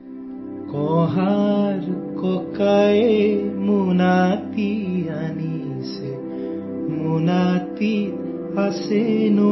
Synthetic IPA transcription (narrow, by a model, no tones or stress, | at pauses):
kɔɦaɾkɔkaemunat̪iani | se | munat̪i | asenu